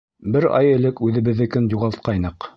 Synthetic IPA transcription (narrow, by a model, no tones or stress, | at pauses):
bɘɾɑ̰jɘ̆lɘkʉðɘ̆βɘ̆ðːɘ̆kɘnjuʁɑlˠt̪̚qɑjnɤq